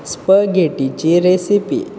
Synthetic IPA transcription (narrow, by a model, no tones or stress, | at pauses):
spəɡʱeʈit͡ɕiɾesipḭ